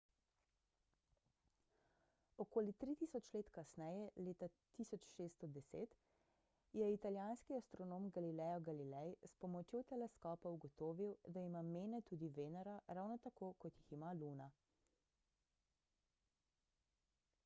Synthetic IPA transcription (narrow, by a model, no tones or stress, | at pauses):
ɔkoːlit̪ɾit̪isɔt͡ʃleːt̪kasnɛjɛleːt̪at̪isɔt͡ʃʃeːst̪ɔd̪ɛseːt̪ | jɛit̪aljaːnskiast̪ɾɔnoːmɡalilɛjɔɡalilɛjspɔmɔt͡ʃjot̪ɛlɛskɔːpɐuɡɔt̪oːʋiwd̪aimameːnɛt̪uːd̪iʋeːnaɾaɾawnɔt̪akoːkɔt̪jiximaluːna